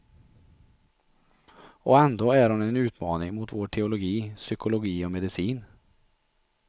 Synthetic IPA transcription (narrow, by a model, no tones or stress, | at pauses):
ɔɛnd̪oːæɾhʊnɛnʉːt̪mɑːnɪŋmuːt̪ʋoːʈʰɛʊlʊɡiːsʏkʊlʊɡiːɔmɛd̪ɪsiːn